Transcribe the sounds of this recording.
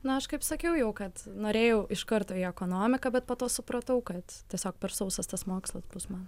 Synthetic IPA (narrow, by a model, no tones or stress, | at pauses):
nʊɐʃkɐɪpsɐkʲɛʊjɛʊkɐt̪noːɾʲeːjɛʊʔɪʃkɐɾt̪oːiɛkoːnoːmʲɪkɐbʲɛt̪̚poːt̪oːsʊpɾɐt̪ɐʊkɐt̪tʲiɛsʲoːk̚pʲɛɾsɐʊsɐst̪ɐsmoːkslˠɐsbusmɐn